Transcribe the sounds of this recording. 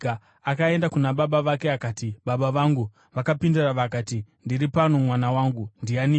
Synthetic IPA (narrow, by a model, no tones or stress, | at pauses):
akae̞ndakunaɓaɓaʋake̞akaːtiɓaɓaʋaŋɡu | ʋakapinduraʋakaːtindiripanomwanawaːŋɡundiani